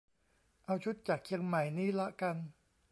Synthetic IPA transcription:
ʔa˧wt͡ɕʰu˦˥t̪̚t͡ɕaː˨˩k̚t͡ɕʰi˧əŋma˨˩jniː˦˥˩la˦˥ʔka˧n

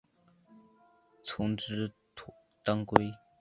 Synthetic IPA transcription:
t͡sʰʊ˧˥ŋʈ͡ʂɻ̩˥ | t̪a˥ŋkwe˥ɪ

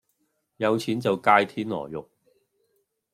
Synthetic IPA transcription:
jɐ˨˧wt͡sʰiː˨˥nt͡sɐ˨wkaː˧jt̪ʰiː˥nlɔ̰ː˨˩jʊ˨k̚

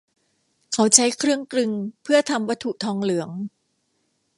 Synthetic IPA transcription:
kʰa˦˥wt͡ɕʰa˦˥jkʰɾɯ˥˩əŋklɯ˧ŋpʰɯ˥˩ɐt̪ʰa˧mwa˦˥t̪ʰu˨˩t̪ʰɔː˧ŋlɯ˩˦əŋ

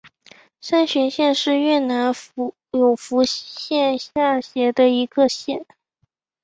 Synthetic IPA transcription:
ʂa˥nɕɥɛ˧˥nɕjɛ˥˧nʂɻ̩˥˧ɥɛ˥˩na˧˥n˥ | jo˨˩ʊfu˧˥ɕjɛ˥˧nɕja˥˩ɕjɛ˧˥d̪ə˧i˧˥ɡə˧ɕjɛ˥˩n

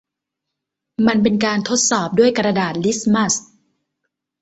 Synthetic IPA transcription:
ma˧np̬e˧nkaː˧nt̪ʰo˦˥t̪̚sɔː˨˩p̚du˥˩əjkɾa˧daː˨˩t̪̚li˦˥sma˦˥˩s

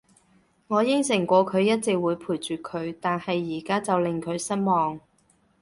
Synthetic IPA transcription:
ŋɔː˨˧jɪ˥ŋsɪ˨˩ŋkʷɔː˨˧kʰɵ˨˧ɥjɐ˥t̚t͡sɪ˨k̚wuː˨˧jpʰuː˨˩jt͡ʃyː˨kʰɵ˨˧ɥt̪aː˨nhɐ˨jːiː˨˩kaː˥t͡sɐ˨wlɪ˨ŋkʰɵ˨˧ɥsɐ˥t̚mɔː˨ŋ

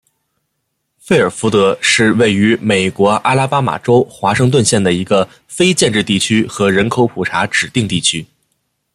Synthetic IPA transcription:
fe˥˩ɪə˞˨˩fu˧˥t̪ɤ˧˥ʂɻ̩˥˧we˥˩ɪy˧˥me˨˩ɪkwɔ˧˥ʔa̰˥la˥pa˥ma̰˨˩ʈ͡ʂo˥ʊxwa˧˥ʂɤ˥˧ŋt̪̬wə˥˧nɕjɛ˥˩nd̪ə˩i˧˥ɡə˧ | fe˥ɪt͡ɕjɛ˥˧nʈ͡ʂɻ̩˥˧t̪i˥˩t͡ɕʰy˥xɤ˧˥ɻə˧˥nkʰo˧˥ʊpʰu˨˩ʈ͡ʂʰa˧˥ʈ͡ʂɻ̩˨˩t̪i˥˧ŋt̪i˥˩t͡ɕʰy˥

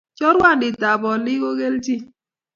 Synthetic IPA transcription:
t͡ʃɔ˦ɾwa˦˨ndɪ˨ta˨bɔ˨lɪ˦ko˦ɣe˦lti˦

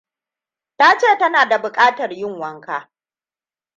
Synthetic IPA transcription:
ta˦t͡ʃeː˦˨tɐ˦naː˨da˨bʊ˨kʼaː˦tɐ˨rjɪ˦ŋwɐ˦ŋkaː˦

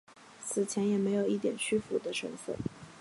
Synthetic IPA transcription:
t͡sʰɹ̩˨˩t͡ɕʰjɛ˧˥njɛ˨˩me˧˥ɪjo˨˩ʊi˥˩t̪jɛ˨˩nt͡ɕʰy˥fu˧˥d̪ə˧ʂɤ̰˧˥ŋfə̰˥˩n

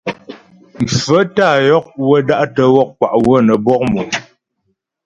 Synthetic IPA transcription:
m̩˨fə˦ta˦˨jɔ˦k̚wə˦da˦ʔtə˦wɔ˦˨k̚kwa̰˨ʔwə˦nə˨bɔ˦k̚mu˨

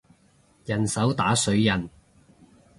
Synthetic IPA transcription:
jɐ˨˩nsɐ˨˥wt̪aː˨˥sɵ˨˧˥ɥjɐ˨˩n

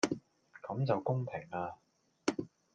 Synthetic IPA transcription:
kɐ˨˥mt͡sɐ˨wkʊ˥ŋpʰɪ˨˩ŋaː˧

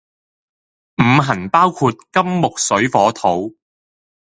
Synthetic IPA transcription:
m̩˨˧ɦɐ˨˩npaː˥wkʰuː˧t̚kɐ˥mːʊ˨k̚sɵ˨˥ɥfɔː˨˥t̪ʰo˨˥w

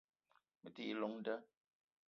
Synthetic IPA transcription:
mə˨ti˦i˦lo˨˦ŋn̩˦də˦

